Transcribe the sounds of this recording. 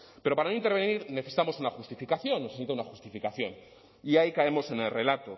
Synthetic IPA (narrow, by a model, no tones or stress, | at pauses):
pe̞ɾo̞paɾano̞int̪eβe̞nniɾne̞θesi̥t̪amo̞sunaxust̪ifikaθjo̞nːesesit̪aunaxust̪ifikaθjo̞n | iaikae̞mo̞se̞ne̞lre̞lat̪o